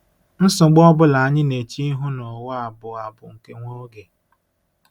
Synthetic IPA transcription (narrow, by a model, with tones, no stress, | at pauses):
n̩˦sʊ˨ɡ͡bɔ˦bʊ˦la˨a˨ɲɪ˦ne˨t͡ʃi˦i˦ɦʊ˦nɔ˨wɔ˦a˨bʊ˨a˨bʊ˨ŋ̩˨ke˦ŋʷo˦ɾʊ˦ɡe˨